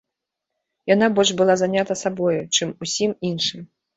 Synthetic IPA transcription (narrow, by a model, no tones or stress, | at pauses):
jan̪abɔlʲʐbɨlˠazanʲat̪ɐsabɔjut͡ʂɨmusʲiminʂɨm